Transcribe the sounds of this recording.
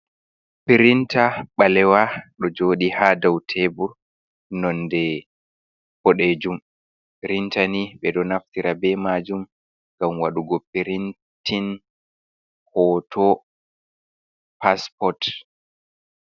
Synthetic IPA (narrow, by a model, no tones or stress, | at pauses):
piɾintaɓalɛwaɗɔd͡ʒoːɗihadawtʰebuɾ | nɔndɛ | pɔɗed͡ʒum | piɾintaniɓɛɗɔnaftiɾabɛmaːd͡ʒum | ŋɡamwaɗuɡɔpiɾin | tʰin | hɔtʰɔ | paspɔt